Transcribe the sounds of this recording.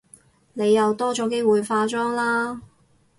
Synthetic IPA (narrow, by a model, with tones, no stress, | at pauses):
ne˨˧jːɐ˨˧wt̪ɔː˥t͡sɔː˨˧ke˥jwuː˨jfaː˧t͡sɔː˥ŋlaː˥